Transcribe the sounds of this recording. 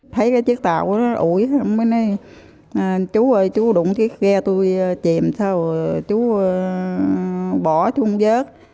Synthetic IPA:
t̪ʰə˨˦jkaː˨˦jt͡ɕɨ˦˥ək̚t̪a̰ː˧˨wku˧˩ənɔ˨˦ʔu˧˩jha˨˧˨ŋ͡mɓə˨˦nə˨˦j | t͡ɕu˨˦əː˧˩jt͡ɕu˨˦ɗʊ̰˨˧˩ŋ͡mki˨˦ək̚ɣɛ˧t̪u˧jt͡ɕi˨˩˨əmsaː˧wt͡ɕu˨˦˧ | ɓɔ˧˩t͡ɕu˨˦˧ŋ͡mzəː˦˥t̚

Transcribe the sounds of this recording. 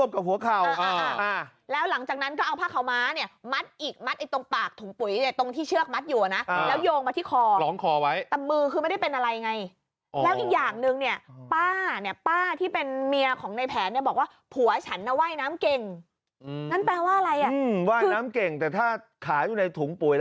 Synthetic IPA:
u˥˩əm̚ka˨˩p̚hu˩˦ɐkʰa˨˩wawa˧˩˧ʔa˧˩ | lɛː˦˥wla˩˦ŋt͡ɕaː˨˩k̚na˦˥nkɔː˥˩ʔa˧wpʰaː˥˩kʰa˨˩wmaː˦˥ni˥˩ɐma˦˥t̪̚ʔiː˨˩k̚ma˦˥t̪̚ʔa˧jt̪o˧ŋpaː˨˩k̚t̪ʰu˨˩˦ŋpu˩˦jni˥˩ɐt̪o˧ŋt̪ʰiː˥˩t͡ɕʰɯ˥˩ək̚ma˦˥t̪̚juː˨˩a˩na˦˥ʔlɛː˦˥wjoː˧ŋma˧t̪ʰiː˥˩kʰɔː˧lɔː˩˦ŋkʰɔː˧wa˦˥jt̪ɛ˨˩mɯː˧kʰɯː˧ma˥˩da˥˩jpe˧nʔa˧ɾa˧jːŋa˧j | lɛː˦˥wʔiː˨˩k̚jaː˨˩ŋnɯ˧ŋni˥˩ɐpaː˥˩ni˥˩ɐpaː˥˩t̪ʰiː˥˩pe˧nmi˧ɐkʰɔː˩˦ŋna˧jpʰɛː˩˦nːi˥˩ɐbɔː˨˩k̚waː˥˩pʰu˨˩˦ɐt͡ɕʰa˦˥nːa˦˥˩waː˥˩jnaː˦˥mke˨˩ŋ | na˥˩npɛː˧waː˥˩ʔa˧ɾa˧jʔa˨˩ɯ˧waː˥˩jɯː˧naː˦˥mke˨˩ŋt̪ɛː˨˩t̪ʰaː˥˩ | kʰaː˨˩˦juː˨˩na˧jt̪ʰuː˩˦ŋpu˩˦j

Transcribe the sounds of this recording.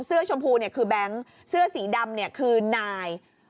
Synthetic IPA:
ŋsɯ˥˩ɐt͡ɕʰo˧mpʰuː˧ni˥˩əkʰɯː˧bɛ˦˥ŋ | sɯ˥˩ɐsiː˩˦da˧mni˥˩ɐkʰɯː˧naː˧j

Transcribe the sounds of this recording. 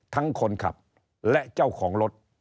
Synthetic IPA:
t̪ʰa˦˥ŋkʰo˧nkʰa̰˨˩p̚ | lɛ˦˥ʔt͡ɕa˥˩wkʰɔː˩˦ŋlo˦˥t̪̚

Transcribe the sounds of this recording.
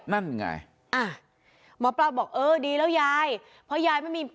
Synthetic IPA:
na˥˩nja˧˩ŋa̰˧j | ʔa˧˩ | mɔː˨˥pla˧wbɔː˨˩k̚ʔɤː˧˩diː˧lɛː˦˥˩wjaː˧j | pʰɔ˦˥jaː˧jma˥˩jmiː˧

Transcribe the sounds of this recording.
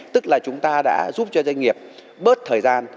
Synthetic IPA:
t̪ɨ˦˥k̚laː˨˩t͡ɕʊ˨˦ŋ͡mt̪aː˧ɗa̰ː˧˥zu˦˥p̚t͡ɕɔ˧zwa˧jŋ̟ŋi˨˩əp̚ | ɓəː˦˥t̚t̪ʰəː˨˩jzaː˧n

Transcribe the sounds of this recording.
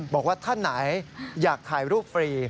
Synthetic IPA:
bɔː˨˩k̚waː˥˩t̪ʰa˥˩nːa˩˦jjaː˨˩kʰːaː˨˩jɾuː˥˩p̚fɾiː˧

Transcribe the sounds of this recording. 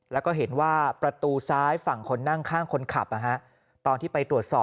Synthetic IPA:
lɛː˦˥wkɔː˥˩ɦe˩˦nwaː˥˩pɾa˧t̪uː˧saː˦˥jfa˨˩ŋkʰo˧nːa˥˩ŋkʰaː˥˩ŋkʰo˧nkʰa˨˩p̚ʔa˨˧kʰa˦˥ʔ | t̪ɔː˧nt̪ʰiː˥˩pa˧jt̪ɾu˨˩ət̪̚sɔː˨˩

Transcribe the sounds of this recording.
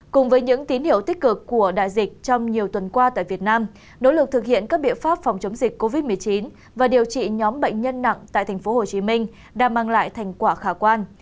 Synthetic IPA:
kʊ˨˩ŋ͡mvəː˨˦jɲɨ̰˧˥ŋt̪i˨˦nhḭ˧˨əwt̪i˦˥k̚kɨ˨˩kːu˧˩əɗa̰ː˧˨jzï˨˩k̟̚t͡ɕɔ˧wŋ͡mɲi˨˩əwt̪wə˨˩nkwaː˧t̪a̰ː˧˨jvi˨˩ət̚naː˧m | no̰˧˥lɨ˨˩k̚t̪ʰɨ˨˩k̚hḭ˧˨ənkaː˦˥k̚ɓḭ˧˨ənfaː˦˥p̚fɔ˨˩wŋ͡mt͡ɕə˨˦wŋ͡mzï˨˩k̟ko˧vi˦˥t̚mɨ˨˩əjt͡ɕi˨˦n | vaː˨˩ɗi˨˩əwt͡ɕḭ˧˨ɲɔ˨˦mɓə̰˧˨jŋ̟ɲə˧nːa̰˧˨ŋt̪a̰ː˧˨jt̪ʰɛ˨˩ŋ̟fo˨˦ho˨˩t͡ɕi˨˦mï˧ŋ̟ | ɗaː˧˩maː˨˩ŋla̰ː˧˨jt̪ʰa˨˩jŋ̟kwaː˧˩xaː˧˩kwaː˧n

